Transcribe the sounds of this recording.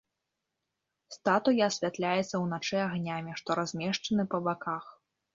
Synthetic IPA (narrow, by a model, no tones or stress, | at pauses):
st̪at̪ujaɐsʲvʲat̪lʲajɛt̪sːɐwnat͡ʂɛaɣnʲamʲiʂt̪ɔɾazʲmʲɛʂt͡ʂɐnɨpɐbakax